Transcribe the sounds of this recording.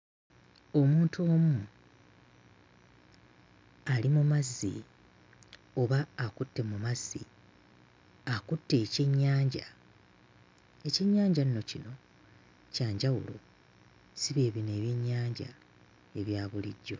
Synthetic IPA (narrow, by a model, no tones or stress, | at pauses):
o̞muːntʰuo̞ːmu | alimumazːḭ | o̞βaːkutːe̞mumazːḭ | akutːe̞ːceɲːaːɲɟa | e̞ceɲːaːɲɟanno̞cino̞ | caːɲɟawṵlo̰ | siβe̞ːβine̞ːβjeɲːaːɲɟa̰ | e̞βjaːβuliɟːo̞